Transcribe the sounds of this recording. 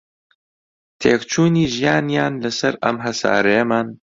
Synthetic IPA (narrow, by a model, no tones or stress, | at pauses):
t̪ʰeːkt͡ʃuːniːʒijaːnjaːnlɐsɐɾɐ̰mɦɐsa̰ːɾɐjɐmaːn